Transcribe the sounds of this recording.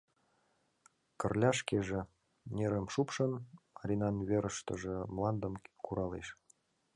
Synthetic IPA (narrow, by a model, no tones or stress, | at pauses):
kə̆rlʲɑʃkeʒĕ | neɾəmʃupʃɤ̆nɑɾʲinɑnβeɾəʃt̪ə̰̆ʒĕmlɑnd̪əmkuɾɑlḛʃ